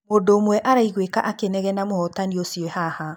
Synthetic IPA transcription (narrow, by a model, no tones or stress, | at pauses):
mondoːmwɛʔaɾaiɣweka̰ʔakenɛɣɛnamohɔtaniosjɔhaha